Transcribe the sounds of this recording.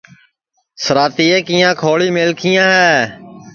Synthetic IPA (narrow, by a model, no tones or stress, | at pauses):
səɾaːt̪iːeːkijãːkʰoːɭiːmeːlkʰijãːɦɛː